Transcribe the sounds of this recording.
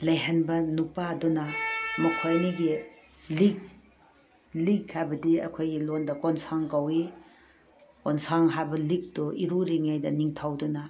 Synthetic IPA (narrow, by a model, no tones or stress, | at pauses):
lɐjɦɐnbɐnupadunɐmɐkʰojniɡi | lik̚ | likʰːajbɐdiɐ̰kʰojɡilondɐkɔnsaŋkawi | kɔnsaŋɦajbɐlik̚tuʔiɾuɾiŋajdɐniŋtʰawdunɐ